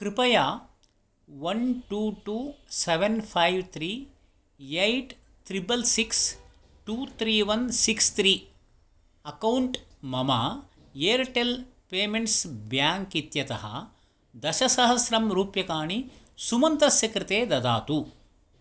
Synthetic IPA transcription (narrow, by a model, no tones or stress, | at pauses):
kɾipɐjaː | ʋɐnʈuːʈuːseʋenpʰajʋt̪ʰɾiː | ejʈ | t̪ɾibɐlsiks | ʈuːt̪ʰɾiːʋɐnsikst̪ʰɾiː | ɐkɐwɳʈmɐmɐ | jeːɾʈelpeːmeɳʈsbjaːŋkit̪jɐt̪ɐɦɐ̰ | d̪ɐʃɐsɐɦɐsɾɐmɾuːpjɐkaːɳi | sumɐnt̪ɾɐsjɐkɾɪt̪eːd̪ɐd̪a̰ːt̪u